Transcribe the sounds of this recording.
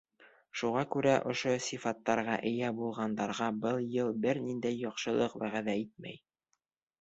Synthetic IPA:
ʃuʁɑkʉɾæʔŏʃosʲifɑt̪ːɑɾʁɑʔɘ̆jæbulˠʁɑnd̪ɑɾʁɑbɤlˠjɤlˠbɘɾnind̪æjːɒqʃɤ̆lˠɤqwæʁæðæit̪̚mæ̰j

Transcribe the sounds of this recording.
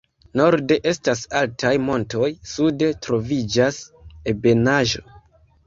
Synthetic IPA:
no̞ɾde̞ʔe̞stasaltʰajmo̞nto̞jsudetɾo̞vid͡ʒasebe̞naʒo̞̰

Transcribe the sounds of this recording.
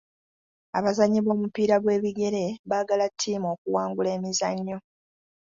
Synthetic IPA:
a̰βazaɲːiβo̞ːmupiːɾaɡwe̞ːβiɡe̞ɾe̞βaːɡalatʰːiːmo̞ːkuwaːŋɡule̞ːmizaɲːo̞

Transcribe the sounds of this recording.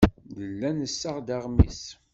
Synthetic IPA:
ðəlːænəsːaʁd̪aʁmis

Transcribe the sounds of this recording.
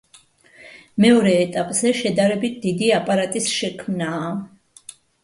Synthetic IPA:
mɛɔɾɛːt̪ʼapʼzɛʃɛd̪aɾɛbit̪̚ʰd̪id̪iapʼaɾat̪ʼisʃɛkʰmnaː

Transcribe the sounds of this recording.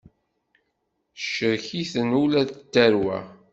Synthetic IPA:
ʃəɾçiθənulæðət̪ːæɾwæ̰

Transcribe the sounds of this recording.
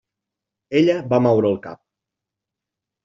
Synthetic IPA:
eʎəbamawɾəlˠka̰p̚

